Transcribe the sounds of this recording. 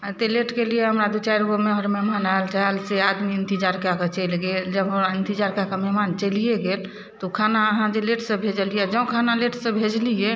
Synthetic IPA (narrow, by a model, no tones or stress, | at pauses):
t̪eleʈkelijeɦəmɾad̪ut͡ʃajɾɡomeɦəɾmemanalt͡ʃalsead̪miənt̪id͡ʒaɾkaket͡ʃəjlɡeld͡ʒəbɦoɾaənt̪id͡ʒaɾkakemɛɦmant͡ʃəlijeɡel | t̪ɔkʰanaəɦãd͡ʒeleʈʰsəbʱed͡ʒəlijɛd͡ʒəũkʰanaleʈʰsə̃bʱed͡ʒlijɛ